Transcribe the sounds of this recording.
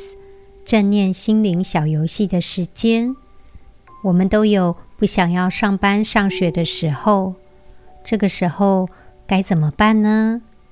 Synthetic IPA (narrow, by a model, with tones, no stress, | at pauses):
ʈ͡ʂə˥˧nljɛ˥˩nɕi˥nli˧˥ŋɕjɑ˨˩ʊjo˧˥ʊɕi˥˩d̪ə˩ʂɻ̩˧˥t͡ɕjɛ˥n | wɔ˨˩mə˨˦nt̪o˥ʊjo˨˩ʊpu˥˩ɕjɑ˨˩ŋjɑ˥˧ʊʂɑ˥˩ŋpa˥nʂɑ˥˩ŋɕɥɛ˨˩d̪ə˧ʂɻ̩˧˥xo˥˧ʊ | ʈ͡ʂɤ˥˩ɡə˩ʂɻ̩˧˥xo˥˧ʊka˧˥ɪt͡sə˨˩mə˦pa˥˩nnə˦